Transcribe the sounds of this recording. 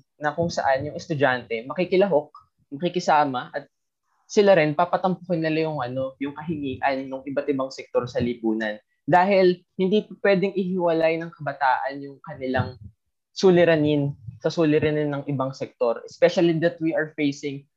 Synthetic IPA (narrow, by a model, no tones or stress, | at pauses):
nɐkʊŋsɐ̰ʔanjʊŋʔɛst̪ʊd͡ʒant̪ɛmɐkɪkɪlɐɦok̚ | mɐkɪkɪsaːmɐʔɐt̪̚ | sɪlaɾɪnpapɐt̪ɐmpʊkɪnːɪlajʊŋʔɐno̞jʊŋkɐɦɪŋiːʔɐnːʊŋʔɪbat̪ɪbaŋsɛk̚t̪o̞ɾsɐlɪpuːnɐn | d̪aːhɪl | hɪnd̪ipɐpwɛd̪ɪŋʔɪɦɪwɐlajnɐŋkɐbɐt̪aːʔɐnjʊŋkɐnɪlaŋ | sulɪɾɐnɪnsɐsulɪɾɪnɪnːɐŋʔɪbaŋsɛk̚t̪o̞ɾʔɛspɛʃɐlid̪ɐt̪̚wiʔɐɹfejsɪŋ